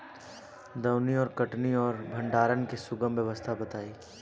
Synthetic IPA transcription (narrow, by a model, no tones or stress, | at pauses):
d̪ɐwniɔːɾkɐʈniɔːɾbʱɐ̃ɳɖaːɾənkisʊɡəmʋjəʋəst̪ʰabɐt̪aːiː